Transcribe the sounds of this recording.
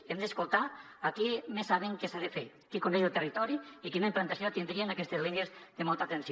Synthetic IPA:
emd̪eskolˠt̪a | akimesaβeŋkesaðefe | kikondejelˠt̪erit̪ɔɾiikinaimplant̪asjot̪ind̪ɾienakɛst̪ezlinjezðemɔlˠt̪at̪ensi

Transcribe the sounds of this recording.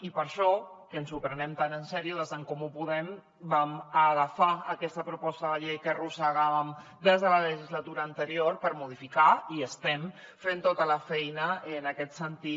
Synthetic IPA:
ipəɾʃɔkənsupɾənɛmt̪anənsɛɾiuðəzðəŋkɔmupuðɛm | baməɣəfaəkɛst̪əpɾupɔst̪əðəʎejkərusəɣaβəm | d̪ezðələləʒizlət̪uɾəːnt̪əɾioɾpəɾmuðifikaiəst̪ɛm | fent̪ot̪ələfɛjnəənəkɛt̪sənt̪i

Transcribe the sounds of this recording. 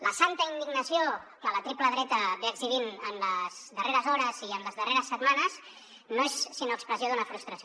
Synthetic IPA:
ləsant̪əind̪iɡnəsioðələt̪ɾipləðɾɛt̪əβeəɡziβinəmləzðəreɾəzɔɾəziəmləzðəreɾəsːət̪manəz | noesːinoəkspɾəzioðunəfɾust̪ɾəso

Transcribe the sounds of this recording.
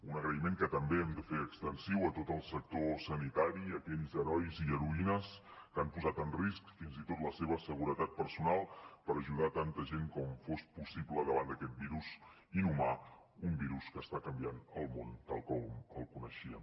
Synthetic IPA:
unəɣɾəimeŋkət̪əmbeɛmd̪əfeəkst̪ənsiwət̪ot̪əlˠsək̚t̪osənit̪aɾiəkɛʎzəɾɔjziəɾuinəskampuzat̪ənriskfinzit̪ot̪ləseβ̞əsəɣuɾət̪at̪̚pəɾsunalˠpəɾəʒuð̞at̪ant̪əʒeŋkɔmfospusiβləðəβand̪əkɛt̪̚biɾuz | inuma | umbiɾuskəːst̪akəmbianəlˠmont̪alˠkɔməlˠkunəʃiəm

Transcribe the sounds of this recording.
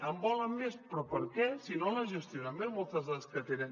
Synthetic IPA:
əmbɔləmːespɾɔpə̰ɾkɛsinoləʒəst̪ionamemolˠt̪əzðəskət̪enən

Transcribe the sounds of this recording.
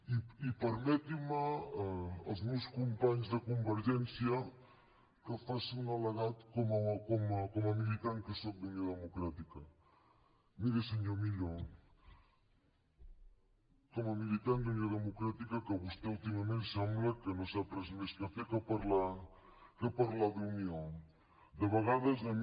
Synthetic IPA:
iipəɾmɛt̪iməː | lzmewskumpaɲzðəkumbəɾʒɛnsjɐ | kəfasiunaləɣat̪kɔmakomakɔmɐmilit̪aŋkəsok̚d̪əmjoðəmukɾat̪ikɐ | miɾesəɲomiʎo | kɔmɐmilit̪and̪unjoðəmukɾat̪ikakəβust̪eulˠt̪imamẽnsɛmblɐkənozat̪ɾəzmeskəfekəpaɾla | kəpaɾlaðunio | d̪əβəɣaðəzam

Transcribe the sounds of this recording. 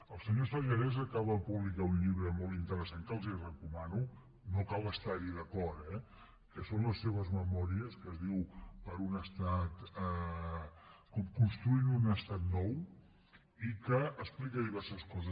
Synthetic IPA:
əlˠsəɲosəʒəɾɛzəkaβəpuβlikaunʎiβɾəmolˠt̪int̪əɾəsaŋkəlˠzirəkumanu | nokalˠəst̪aɾiðəkɔt̪ɛ | kəsonləsːeβəzməmɔɾiəskəzðiwpəɾunəst̪at̪ɛ | kɔmkunst̪ɾuinunəst̪at̪nɔw | ikəːsplikəiβɛrsəskɔzə

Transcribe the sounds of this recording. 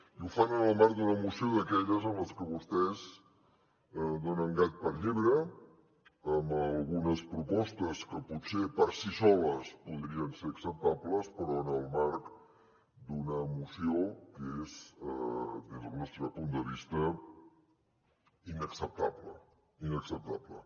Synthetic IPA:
ufanənəlˠmaɾk̚d̪unəːmusioðəkɛʎəzəmləskəβ̞ust̪ɛz | əd̪onəŋɡat̪̚pəɾʎiβɾə | əmbəlˠɣunəspɾupɔst̪əskəput̪sepəɾsisɔləspuðɾiənseɾəksəp̚t̪abləspəɾɔənəlˠmaɾk | d̪unəːmusiokezəd̪ezðəlˠnɔst̪ɾəpund̪əβ̞ist̪ə | inəksəp̚t̪aβlə̰ | inəksəp̚t̪aplə̰

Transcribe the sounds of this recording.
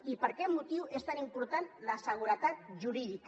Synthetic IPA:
ipəɾkɛmːut̪iwest̪animpuɾt̪anləsəɣ̞uɾət̪at̪̚ʒuɾiðik

